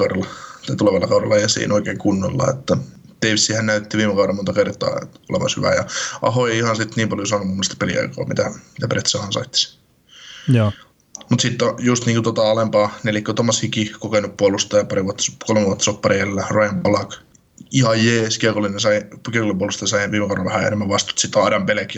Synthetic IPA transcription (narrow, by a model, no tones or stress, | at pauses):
kɑuɾɑlːɑt̪ɑit̪uleʋɑlːɑkɑuɾɑlːɑjɑsḭːnoikeːŋkunːo̰lːɑ̰ḛt̪ːæ | d̪̥eiʋsːihænnæyt̪ːiʋiːmekɑuɾɑmont̪ɑkert̪ˑɑ̰ːo̰lḛʋɑ̰nshy̰ʋæ̰jɑ̰ʔɑ̰hoeiihɑnsit̪niːmpɑljosɑːnumumːost̪ɑ̥pelḭɑ̰iko̰ːmḭt̪æmit̪æpret̪sɑhɑnsɑ̰it̪ːi̥s | mut̪sit̪ːojust̪niːŋkut̪ot̪ɑolempɑːnelikːot̪omːˑɑshikikokenuppuolust̪ɑjɑpɑriʋuɑt̪ːskolmeʋuot̪ːsoppːɑriællːærojmpɑlɑk | ihɑjjeːskirkolːinesɑikirkolːimpuolust̪ɑjɑsɑiʋiːmekɑˑuɾɑʋʋæhæḛnemːæʋʋɑst̪u̥t̪sit̪ɑːɾɑmpelek